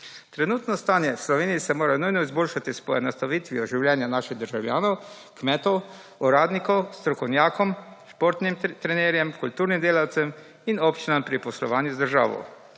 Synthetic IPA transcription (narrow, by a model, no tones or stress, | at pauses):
t̪ɾɛnuːt̪nɔst̪aːnjɛslɔʋeːniisɛmoːɾanujnɔizboːlʃat̪ispɔɛnɔst̪aʋiːt̪ʋijɔʒiwljɛnjanaːʃiɣd̪əɾʒawlja̰ːnɔw | kmɛːt̪ɔw | uɾaːd̪nikɔwst̪ɾɔkɔwnjaːkɔmʃpoɾt̪nimt̪ɾɛneːɾjɛmkult̪uːɾnimd̪eːlawt̪sɛm | inɔpt͡ʃinampɾipɔslɔʋaːnjuzd̪əɾʒa̰ːʋɔ̰w